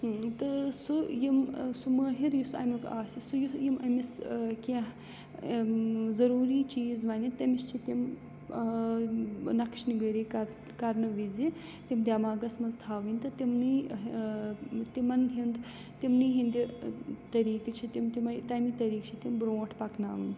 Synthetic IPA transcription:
hɨt̪ɨsujimsuməːɦiɾjusɐ̰ːmʲika̰ːsisujujimʔɐmiskʲeɦ | zɐɾuːɾiːt͡ʃiːzʋɐnʲit̪ɐmiʃt͡ʃʰit̪im | nɐkʃniɡɐɾikɐɾ | kɐɾnɨʋizi | t̪imd̪ʲaːmaːɡɐsmɐnzt̪ʰaːʋɨnʲt̪ɨt̪imniː | t̪imɐnɦind̪ | t̪imniːɦind̪it̪ɐɾiːkit͡ʃʰit̪imt̪imɐt̪ɐmit̪ɐɾiːkt͡ʃʰit̪imbɾoːʈʰpɐkna̰ːʋɨn

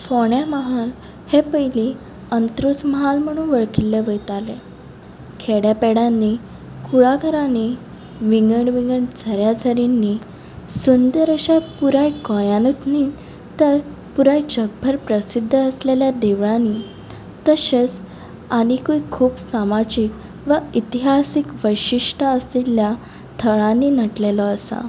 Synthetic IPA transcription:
foɳjaməɦal | hepəjli | ənt̪ɾusməɦalm̤əɽ̃uːnʋəɭkilːeʋəjt̪ale | kʰeɽjapɛɽanːi | kʰuɭaɡʱəɾãni | ʋiŋɡəɳʋiŋɡəɳd͡zʱəɾjad͡zʱəɾinːi | sund̪əɾəɕapuɾajkɔjanut̪ni | t̪əɾ | puɾajd͡ʑəɡ̚bʱəɾpɾəsid̪ʱːəəsleljad̪eʋɭani | t̪əɕet͡s | aɽ̃ikuikʰuːpsamad͡ʑik | ʋəit̪iɦasikʋəjɕiʂʈaəsilja | t̪ʰəɭãniːnəʈlelɔəsa̰

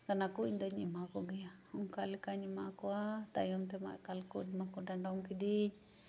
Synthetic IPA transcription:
kanakuiɲd̪ɔɲimakɔɡijauŋkalikaɲimakuat̪a̰jɔŋt̪̬ɛma̰ʔkalkud̪makudaɳɖɔmkid̪iɲ

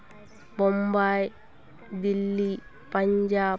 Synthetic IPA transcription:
bombaːj | d̪ilːi | pɐɲd͡ʒaː

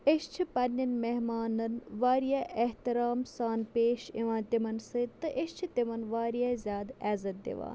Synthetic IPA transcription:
eʃt͡ʃʰipɐnʲːɐnmeɦmaːnɐnʋaːɾijaʔeht̪iɾaːmsaːnpeːʃiʋãːt̪imɐnsɨt̪ɨʔeʃt͡ʃʰit̪imɐnʋaːɾijaːzʲjaːd̪ɛːzɐt̪̚d̪ḭʋa̰ːn

